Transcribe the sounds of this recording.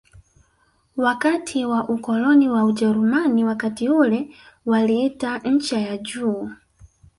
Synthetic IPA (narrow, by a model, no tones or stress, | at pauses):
wakatʰiwaʔukɔlɔniwaud͡ʒɛɾumaniwakatiulɛwaliitan̩t͡ʃajad͡ʒuː